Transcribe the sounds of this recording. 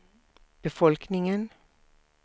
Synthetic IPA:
b̥əfɔlknɪŋən

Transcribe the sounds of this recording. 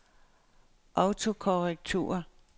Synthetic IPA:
ʔɑʊt͡sʰo̝kʰoʁɛɡ̥̚t͡sʰṵːɐ

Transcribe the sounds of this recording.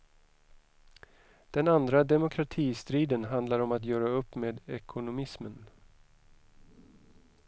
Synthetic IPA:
d̪̥ɛnand̪ɾad̪ɛmʊkʰɾat̪ʰiːst̪ɾiːd̪ənɦand̪laɾɔmat̪jœːɾaɵpːmeːd̪ɛkʰʊnʊmɪsmən

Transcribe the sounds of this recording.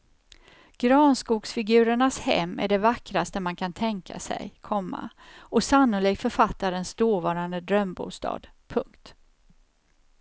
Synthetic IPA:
ɡ̥ɾɑːnskuːksfɪɡʉ̟ːɾəɳashɛ̰mːæ̰ɖɛvakɾast̪əmankʰant̪ʰɛŋkʰa̰sɛ̰jkʰɔmːa̰ | ɔsanːʊliːk̚t̪fœɾfat̪ːaɾənsd̪oːvɑːɾand̪əd̪ɾœmbṵːst̪ɑ̰ːd̪̥ | pʰɵŋkt̪

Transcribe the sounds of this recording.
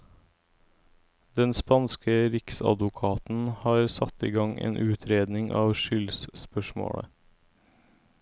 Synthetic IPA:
d̪ɛnspɑnskəɾɪksɑ̰d̪ʋʊkʰɑːt̪n̩hɑːɾsɑt̪iːɡɑŋḛːnʔʉːt̪ʰɾeːd̪nɪŋʔɑːʋʃʏlsspœʃmo̰ːɽə̰

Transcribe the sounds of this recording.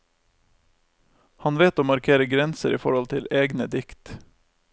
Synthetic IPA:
hɑnʋeːt̪oːmɑɾkʰeːɾəɡɾɛnsəɾiːfɔ̰ɾɔlt̪ʰɪleːɡnəd̪ɪkt̪

